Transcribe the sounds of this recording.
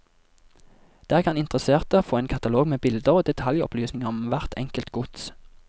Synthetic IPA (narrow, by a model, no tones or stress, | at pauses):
d̪̥æːʁkɑnɪnt̪ʁəseːʁt̪əoːfoːeːnkʰɑt̪ɑloːɡmeːbɪld̪əʁoːd̪ɛt̪ʰɑljɔ̰pʰlyːsnɪŋəʁɔmʋæʁt̪ʰɛ̰ŋkəlt̪ɡʊt̪s